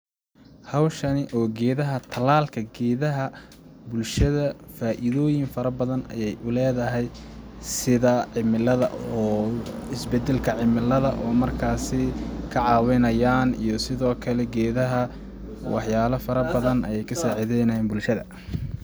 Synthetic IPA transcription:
hɑwʃɐnɪʔɔːɡɛːðɐɦɐt̪ʰɐlaːlkʰɐɡɛːðɐɦɐ | bʊlʃɐðɐfaːʔɪðɔːjɪnfɐɾɐbɐðɐnɐ̰jɛjʔʊlɛːðɐɦɛjsɪðɐʕɪmɪlɐðɐ̰ʔɔːɪsbɛd̪ɛlkʰɐʕɪmɪlɐðɐʔɔːmɐrkʰaːsɪkʰɐʕɑːwɛnɐjaːnḭjɞsɪðɔːkʰɐlɛɡɛːðɐɦɐ | wɑħjaːlɐfɐɾɐbɐðɐnʔɐ̰jɛjkʰɐsaːʕɪðɛjnɐjnbʊlʃɐðɐ̰

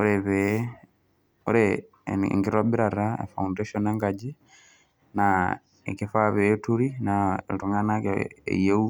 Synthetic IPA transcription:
oɾeβe | oɾḛ | ŋɡiɾobiɾaɾaḛfaundeʃoneŋɡad͡ʒi | na | ḛkefaβetuɾina̰tuŋanakḛjeu

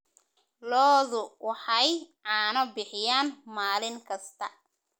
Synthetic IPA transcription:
lɔːðʊwɑħɑjʕaːnɐbɪħɪjaːnmaːlɪŋkʰɐst̪ʰɐ

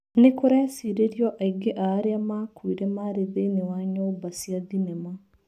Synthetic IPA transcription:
nekoɾasiɾeɾjɔʔaiɡeʔaːɾeamakwuiɾɛmaɾeðenewaɲɔbasiaðinɛma

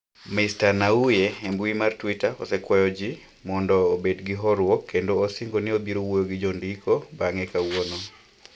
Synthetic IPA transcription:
mɪstanaujeembwimartwitaɔ̰sɛkwɔjɔd͡ʒi | mɔndɔːbedɡɪɦɔɾwɔkʰːendoːsɪŋɡonɪobiɾowojoɡɪd͡ʒɔndikʰobaŋɛkawono

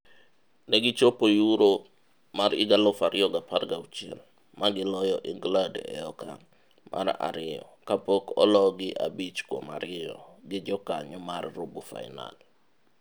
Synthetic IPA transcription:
nɛɡɪt͡ʃopojuɾo | maɾɪɡalɔfaɾɪjɔɡaparɡaut͡ʃiɛl | maɡɪlɔjɔʔɪŋɡladɛ̰ɔka | mʔa̰ɾa̰ɾɪjɔ̰kapokɔ̰lɔɡɪʔa̰bit͡ʃko̰ma̰ɾɪjɔ̰ɡɪd͡ʒɔkaɲɔmarrobufa̰ɪ̰na̰l

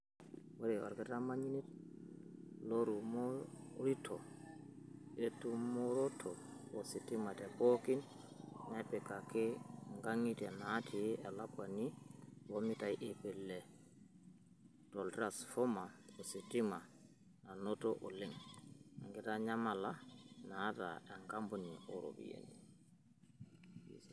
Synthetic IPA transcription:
waɾiwa̰ɾɡɛtamaɲinit | loɾumo | ɾitʰo | etumoɾotʰoositimatɛpokin | napɛkakeŋɡaŋitɛnatʰijʔelakwaniwomitajʔepɛlːɛ | tɔltɾasfɔmaɔsitima | nanotɔʔɔliŋa̰ŋɡɛtaɲamalanata̰ɛŋɡambuniɔɾo̰bḭjḛni

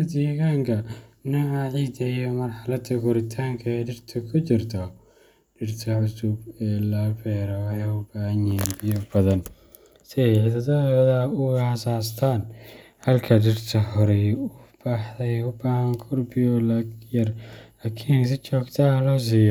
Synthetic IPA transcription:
ɐd̪iːɣaːŋkʰɐnɐaʕiːd̪ɐijɔmɐrħalɐd̪ɐɡʊɾɪt̪ʰaːŋkʰɐɛɖɪrt̪ʰɔkʰʊt͡ʃɪrt̪ʰɔ | ɖɪrt̪ʰɐʕʊsʊbɛːlɐːfɛːɾɐwħɛjʊbaːhɐnɛːnbɪjɔbɐðɐn | sɪħɪðɐðɔðɐʊhɐsaːst̪ʰaːn | hɐlkʰɐɖɪrt̪ʰɐhɔɾɛjʊb̥aːħðɐjʊbaːhɐŋkʰʊrbɪjɔlajɐrlaːkʰiːnɪs̬ɪt͡ʃʰɔːɡt̪ʰahlɔːs̬iːjɔ

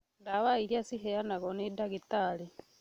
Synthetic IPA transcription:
ndaβaiɾjasiɦejanaɣonidaɡitali

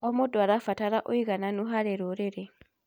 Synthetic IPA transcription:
ʔɔmɔdɔaɾafataɾaʔɔjɡananuɦaɾɛɾɔɾɛɾɛ

